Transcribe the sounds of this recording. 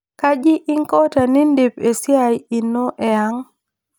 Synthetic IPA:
ka˦d͡ʒɪ˦ʔɪ˦ŋkɔ˦ta˨nɪ˦nde˨pe˨sja˨ji˨no˦ʔɛ˨a˦ŋ

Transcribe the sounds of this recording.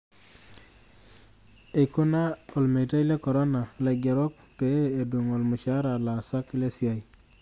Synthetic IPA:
e˨ko˦na˦o˨lme˨ta˦jlɛ˦kɔ˨ɾɔ˦na˨lɛ˨ɡɛ˨ɾɔ˦k̚ | peː˨˦˨du˨ŋo˨lmʊ˨ʃa˦ɾa˨la˨sa˦kle˦sja˨i˨

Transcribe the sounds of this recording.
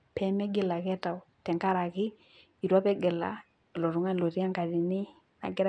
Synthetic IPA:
pɛ˨mɛ˦ɡɪ˦la˨kɛ˦ta˨u˨tɛ˨ŋka˦ɾa˨kɪ˦ | i˨ɾwa˦pɛ˦ɡɛ˨la̰˨ | lɔ˨ɾu˨˦ŋa˦nlɔ˨ɾi˦a˦ŋka˨ɾi˨ni˦ | na̰˨ɡɛ˦ɾ

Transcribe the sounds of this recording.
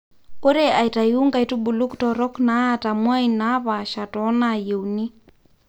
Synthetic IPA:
o˦ɾe˦a˨i˨ta˨ju˦ŋɡa˨i˨tu˦bu˨lu˦ktɔ˨ɾɔ˦kna˨˦ta˨mwa˦ina˦βa˨ʃa˨tɔ˨˦naje˨wni˦

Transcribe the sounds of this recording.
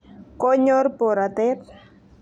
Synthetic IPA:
ko˦ɲo˦ɾpo˨ɾa˨t̪e˦p

